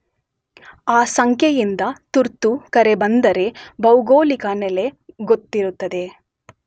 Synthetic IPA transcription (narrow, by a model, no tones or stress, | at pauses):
aːsɐŋkʰjejind̪ɐt̪uɾt̪ːukɐɾe̞bɐnd̪ɐɾe̞bɐwɡoːlikɐnɛle̞ɡot̪ːiɾut̪ːɐd̪e̞